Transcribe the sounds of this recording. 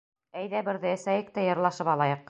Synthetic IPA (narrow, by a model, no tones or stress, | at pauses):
æjðæbɘ̆ɾðɘɘ̆sæjɘk̚t̪æjɤ̆ɾlˠɑʃɤpɑlˠɑjɤq